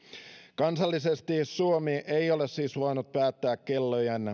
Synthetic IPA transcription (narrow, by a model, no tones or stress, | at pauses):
kɑnsɑlːisest̪isuomiʔejo̞le̞ssiːsʋɑinut̪̚pæːt̪ːæːkkelːojɑn